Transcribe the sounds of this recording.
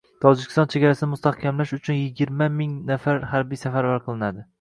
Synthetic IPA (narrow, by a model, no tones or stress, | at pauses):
t̪ʰɒd͡ʒɪkʲʰɪ̥st̪ɒnt͡ʃʰe̞ɡʲaɾasɪnɪmʊst̪ahkʲʰamlaʃʊt͡ʃʰʊnjɪɡʲɪɾmamɪŋnafaɾhaɾbijsafaɾvaɾqʰɨlˠɪnad̪ɪ